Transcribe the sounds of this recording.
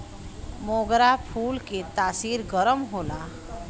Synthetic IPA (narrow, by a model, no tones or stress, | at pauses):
moɡɾapʰulket̪aːsiɾɡəɾəmɦola